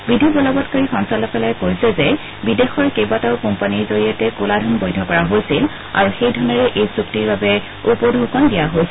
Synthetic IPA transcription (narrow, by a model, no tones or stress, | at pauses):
bidʱibɔlɔbɔtkoɹixɔŋsalɔpɛlajkojsɛzɛ | bidexɔɹkejbataʊkɔmpaniɹzoɹijatɛkuladʱɔnbojdʱɔkɔɹaɦojsil | a̰ɹuxejdʱɔnɔɹɛʔejsuktiɹbabɛ | upɔdʱukɔndijaɦojs